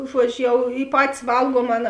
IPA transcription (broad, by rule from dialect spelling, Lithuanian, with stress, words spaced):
ˈʒuɔd͡ʒʲʊ ˈjɛʊ ɪ ˈpɑːtʲɪs ˈʋɐlˠɡuɔm ˈɑːˌnɐ